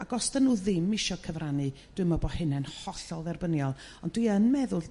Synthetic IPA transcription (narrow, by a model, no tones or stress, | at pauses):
aɡɔstanːuːðɪmɪʃɔkʰəvranɨ | d̥wɨmɔbɔhɨnɛnhɔɬɔlˠðɛrbənjɔlˠ | ɔndwiənmɛðʊl